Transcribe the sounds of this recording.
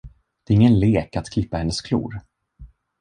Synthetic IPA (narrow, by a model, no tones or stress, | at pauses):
d̪̥ɛːɾɪŋːənleːkat̪kʰlɪpːahɛnːəskʰlṵːɾ